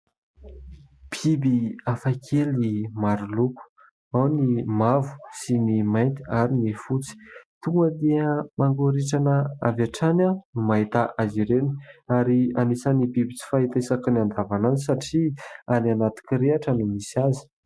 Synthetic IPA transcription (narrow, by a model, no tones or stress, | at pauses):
b̥ʰibiafakʰelnimaɾuluku̥ | awnimavu̥sinimajnt̪i̥aɾinefut͡si̥t̪uŋɡəd̪emaŋɡoɾiʈ͡ʂanəavaʈ͡ʂanamaɦit̪aʔaziɾeni̥aɾianisanibibit͡si̥faɦit̪aesakəniand̪avananisaʈ͡ʂiananat̪i̥kiɾeaʈ͡ʂanumisazi̥